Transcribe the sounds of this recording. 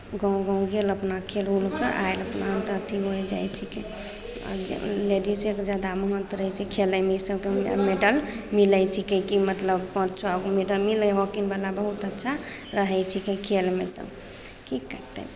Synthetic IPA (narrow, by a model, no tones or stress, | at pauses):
ɡə̃ũɡə̃ɡeləpnakʰelulkəɾʔa̰eləpnaɦənt̪ət̪iɦojd͡ʒa̰jt͡ʃʰike | ɔ̰leɖiseked͡ʒad̪aməɦənt̪ɾəɦɛt͡ʃʰɛkʰeləmisəbkemeɖəl | milət͡ʃʰikəikimət̪ləbpə̃t͡ʃt͡ʃʰakmeɖəlmileɦɔkinbalabəɦut̪ətːʃʰa | ɾəɦɛjt͡ʃʰikẽkʰelmet̪ɔ̰ | kikəɾt̪ḛ